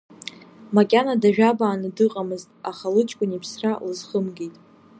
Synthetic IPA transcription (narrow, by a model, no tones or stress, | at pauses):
makʲʼanadaʒᶣabaːnɨdɨqʼamɨztʼaχalɨt͡ʃʼkʷʼʊnipʰsralɨzχəmɡitʼ